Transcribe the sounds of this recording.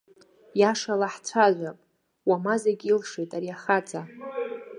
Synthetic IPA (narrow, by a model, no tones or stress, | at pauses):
jaʂalaħt͡sʷʰaʒʷᶣapʼ | wamazeɡʲilʂejtʼaɾijaχat͡sʼa